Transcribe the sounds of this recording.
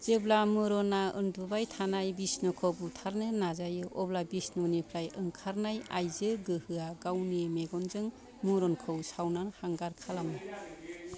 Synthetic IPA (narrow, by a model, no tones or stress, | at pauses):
z̥eblamɯɾɔnaɯndubajtʰanajbisnɔkʰɔbutʰaɾnɯnazajɯʔɔblabisnɔnipʰlajɯŋkʰaɾnaja̰jzɯɡɯhɯaɡawnemeɡɔnzɯŋ | mɯɾɔnkʰɯwsawnanhaŋɡaɾkʰalamɯ